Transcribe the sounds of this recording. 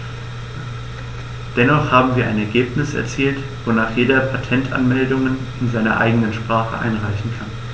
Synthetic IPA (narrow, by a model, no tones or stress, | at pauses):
d̥ɛnɔχhaːbm̩viːɐʔa̰ɪnɛɐɡeːpnɪsɛ̰ɐt͡siːlt | v̥onaːχjeːdɐpʰatʰɛntʰʔa̰nmɛldʊŋənɪnzaɪnɐ̰ʔa̰ɪɡənənʃpʁ̥aːχə̰ʔa̰ɪnʁaɪçn̩kʰan